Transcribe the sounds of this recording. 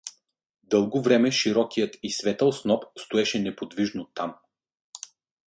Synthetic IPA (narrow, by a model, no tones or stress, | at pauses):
d̪ɤlˠɡovɾɛmɛʃiɾɔkijət̪isvɛt̪əlˠsnɔpst̪oɛʃɛnɛpod̪viʒnot̪am